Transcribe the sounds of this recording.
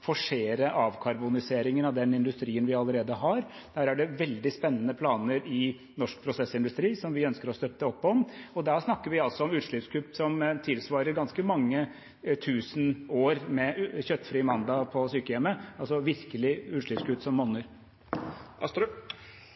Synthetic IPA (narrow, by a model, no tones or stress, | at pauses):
fɔʂeːɾəʔɑːʋkʰɑɾbʊnɪseːɾɪŋənɑʋd̪ɛnɪnd̪ʉst̪ɾiːənʋɪɑləɾeːd̪əɦɑɾ | d̪̥æːɾæɖɛʋɛld̪ɪspɛnːənəpʰlɑːnəɾɪ | nɔʂk̚pʰɾʊsɛsːɪnd̪ʉst̪ɾiːsɔmʋɪœnskəɾɔst̪œt̪ːəɔpːɔmɔd̪æsnɑkːəɾʋɪɑlsɔɔmʉːʂɭɪpskʰʉpsɔmt̪ʰɪlsʋɑːɾəɾɡɑnskəmɑŋːə | t̪ʰʉːsənoːɾmɛçœt̪ːfɾiːmɑnd̪ɑpʰɔsyːkəjɛmːəɑlsɔʋɪɾkəlɪʉːʂɭʏpskʉpsɔmːɔnːəɾ